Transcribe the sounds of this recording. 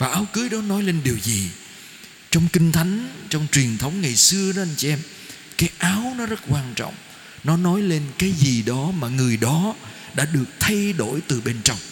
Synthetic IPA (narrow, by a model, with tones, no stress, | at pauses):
vaː˨˩ʔaː˨˦wkɨ˨˦jɗɔ˨˦nɔ˨˦jle˧nɗi˨˩əwzi˨˩ | t͡ɕɔ˧wŋ͡mkï˧ŋ̟t̪ʰa˨˦jŋ̟t͡ɕɔ˧wŋ͡mt͡ɕwi˨˩ənt̪ʰə˨˦wŋ͡mŋa˨˩jsɨ˧əɗɔ˨˦ʔa˧jŋt͡ɕi˧ʔɛ˧m | kaː˨˦jʔaː˨˦wnɔ˨˦zə˦˥t̚kwaː˧nt͡ɕɔ̰˧˨wŋ͡m | nɔ˨˦nɔ˨˦jle˧nkaː˨˦jzi˨˩ɗɔ˨˦maː˨˩ŋɨ˨˩əjɗɔ˨˦ | ɗa̰ː˧˥ɗɨ˨˩ək̚t̪ʰa˧jɗo̰˧˩jt̪ɨ˨˩ɓe˧nt͡ɕɔ˧wŋ͡m